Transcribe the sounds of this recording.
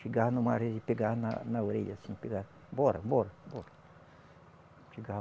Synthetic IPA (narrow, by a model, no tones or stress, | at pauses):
ʃiɡahnʊ̃maɾedɪpeɡaɾna̰nɐoɾeʎasĩpeɡaɾ | bɔɾɐ̰bɔɾɐboɾɐ | ʃiɡa